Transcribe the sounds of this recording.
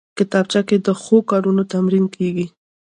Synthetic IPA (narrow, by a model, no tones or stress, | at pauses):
kɪt̪ɑb̚t͡ʃaked̪əxokɑɾunot̪amɾinkʰeɡi